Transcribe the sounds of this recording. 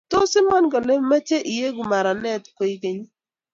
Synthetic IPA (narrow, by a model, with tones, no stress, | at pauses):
to˦sɪ˦ma˦nɡɔ˨ne˦ma˦t͡ʃe˦ʔi˨je˦ɡu˨ma˨ɾa˨nɛ˦˨tko˨˦i˦ke˦ɲi˦